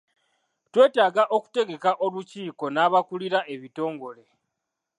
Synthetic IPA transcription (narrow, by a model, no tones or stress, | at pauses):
twe̞ːtaːɡaʔoku̥te̞ɡe̞kaʔo̞luciːko̞naːβakuliɾaʔe̞βito̞ːŋɡo̞le̞